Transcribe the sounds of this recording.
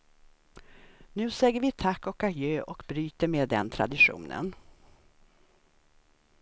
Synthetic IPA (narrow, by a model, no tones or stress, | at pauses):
nʉ̟ːsɛjəɾvɪt̪ʰakːɔkajøːʔɔkbɾyːt̪əɾmeːd̪ɛ̰nt̪ʰɾa̰d̪ɪɧṵːnə̰n